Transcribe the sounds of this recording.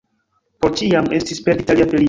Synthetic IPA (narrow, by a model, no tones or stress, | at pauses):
poɾt͡ʃiame̞stispe̞ɾditaliafeli